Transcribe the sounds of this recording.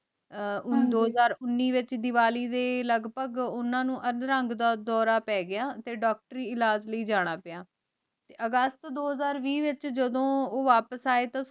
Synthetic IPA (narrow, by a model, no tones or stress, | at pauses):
d̪oːəzaːɾʊnːiːʋɪt͡ʃd̪ɪʋaːliːd̪eːləɡpəɡʊnãːnũːʔəɾəŋɡd̪aːd̪ɔːɾaːpɛːɡɪjaːt̪eːɖɔːk̚ʈəɾiːɪlaːd͡ʒləiːd͡ʒaːɽ̃aːpɪaː | t̪eːəɡəst̪d̪oːɦəzaːɾʋiːʋɪt͡ʃd͡ʒəd̪õːoːʋaːpəsaːeːt̪ãː